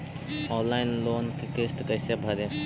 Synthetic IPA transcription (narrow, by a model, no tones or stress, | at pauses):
ɔ̃ːnlaːɪnloːnkikɾɪst̪kɐɪsebʱɐɾe